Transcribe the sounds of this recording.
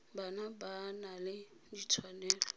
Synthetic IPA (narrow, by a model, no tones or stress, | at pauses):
banabanalɪ | dit͡sʰwanɛːlɔ